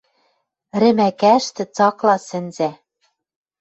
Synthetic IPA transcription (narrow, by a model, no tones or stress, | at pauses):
ɾɘ̆mækæʃt̪ɘ̆t͡sɑklɑsɘ̆nzæ